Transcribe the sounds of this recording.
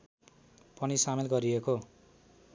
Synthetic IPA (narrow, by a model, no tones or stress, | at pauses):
pʌnisamelɡʌɾieko